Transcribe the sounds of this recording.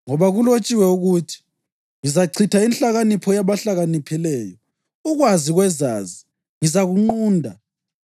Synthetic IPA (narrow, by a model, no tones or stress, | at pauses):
ŋɔβaɣulot͡ʃʼiwɛuɣutʰi̥ | ŋizaǀʰitʰainɬaɣanipʰɔjaβaɬaɣanipʰilɛːjɔ | uɣwaziɣwɛzaːzi | ŋizaɣuŋ͡ǃuːndʱa̰